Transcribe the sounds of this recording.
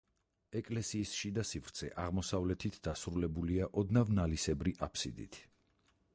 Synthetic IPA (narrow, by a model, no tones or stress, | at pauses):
ɛkʼlɛsiːsʃid̪asivɾt̪sʰɛ̰ʔaʁmɔsavlɛt̪ʰit̪ʰd̪asɾulɛbuliaʔɔd̪navnalisɛbɾiʔapʰsḭd̪ḭt̪ʰ